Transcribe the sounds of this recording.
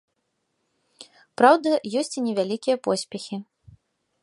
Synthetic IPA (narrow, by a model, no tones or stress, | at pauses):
pɾawd̪ɐjɔsʲt͡sʲinʲɛvʲalʲikʲijɐpɔsʲpʲɛxʲi